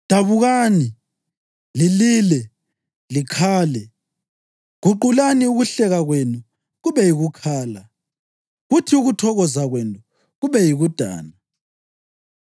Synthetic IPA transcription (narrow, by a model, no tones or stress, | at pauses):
d̥ʱaβuɣaːni | liliːlɛ | likʰaːlɛ | ɣuǃulaniuɣuɬɛɣaɣwenu | ɣuβɛjiɣukʰaːla | ɣutʰiuɣutʰɔɣɔzaɣwentʼu | ɣuβɛjiɣud̥ʱa̰ːna